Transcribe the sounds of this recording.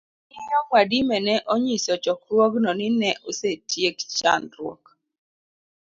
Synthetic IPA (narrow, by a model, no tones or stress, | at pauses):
ɪɲɔkwadimɛnɛʔɔɲisɔt͡ʃɔkɾwɔɡnɔnɪnɛʔosetjekt͡ʃa̰nɾwɔ̰k